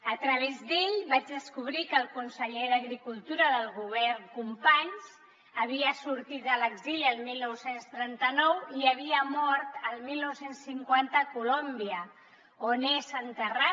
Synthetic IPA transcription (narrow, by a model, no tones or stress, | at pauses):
ət̪ɾəβ̞ezd̪eʎβad͡ʒðəskuβ̞ɾikəlˠkunsəʎeðəɣɾikulˠt̪uɾəðəlˠɣuβ̞ɛrŋkumpaɲs | əβiəsuɾt̪it̪ələɡziliəlˠmilˠnɔwsenst̪ɾɛnt̪ənɔwiəβ̞iəmɔɾt̪əlˠmilnɔwsensːiŋkwant̪əkulombiə | onezənt̪əra